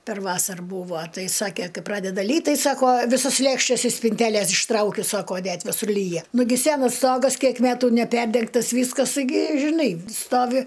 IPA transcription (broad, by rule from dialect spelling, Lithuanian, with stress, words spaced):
pʲɛr ˈʋɑːsɐr ˈbuːʋoː ˈtɐɪ ˈsɑːkʲeː ˈkɐɪ ˈprɑːdʲɛdɐ ˈlʲiːt ˈtɐɪ ˈsɑːkoː ˈʋʲɪsoːs ˈlʲeːkʃʲtʲɛs ɪʃ sʲpʲɪnʲˈtʲæːlʲeːs ɪʃˈtrɐʊkʲʊ ˈsɑːkoː ˈnʲɛt ʋʲɪˈsʊr ˈlʲiːjɛ ˈnʊɡʲɪ ˈsʲæːnɐs ˈstoːɡɐs ˈkʲiɛk ˈmʲæːtʊ nʲɛˈpʲɛrʲdʲɛŋktɐs ˈʋʲiːskɐs ɡʲɪ ʒʲɪˈnɐɪ ˈstoːʋʲɪ